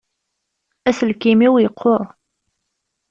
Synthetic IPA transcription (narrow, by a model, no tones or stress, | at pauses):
æsəlkimiwjəqʰːoɾˤ